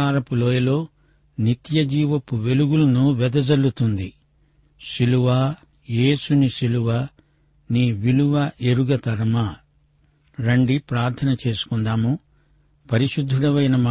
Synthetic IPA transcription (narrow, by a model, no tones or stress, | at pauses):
aːɾɐpuloːjɐlo̞ː | nit̪jɐd͡ʒiːʋɐpːuʋe̞luɡulɐnuʋɛd̪ɐd͡ʒɐlːut̪und̪i | ʃiluʋaː | jeːsuniʃiluʋa | niːʋiluʋɐʔeɾuɡɐt̪ɐɾɐmɐ | ɾɐɳɖipɾaːɾt̪ʰɐnɐt͡ʃe̞ːsu̥kund̪aːmu | pɐɾiʃud̪ʱːuɽɐʋɐjnɐma